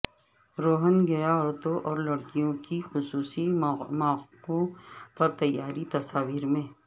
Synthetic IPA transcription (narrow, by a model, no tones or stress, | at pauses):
ɾoːɦənɡɐjaɔːɾt̪õʔɔːɾlɐɽkijõkixʊsuːsimaːkõpɐɾt̪ɐjːaːɾit̪ɐsaːʋiːɾmẽː